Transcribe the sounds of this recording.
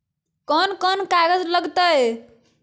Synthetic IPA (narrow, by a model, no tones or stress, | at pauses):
kənkənkaɡəd͡ʒləɡt̪əj